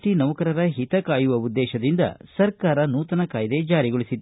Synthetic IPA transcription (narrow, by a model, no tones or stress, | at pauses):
ʈinɐʋɐkɐɾɐɾɐɦit̪ɐkaːjuʋɐud̪ːɛːʃɐd̪ind̪ɐ̰sɐɾkaːɾɐnuːt̪ɐnɐkaːjɐd̪e̞d͡ʒaːɾiɡoɭisid̪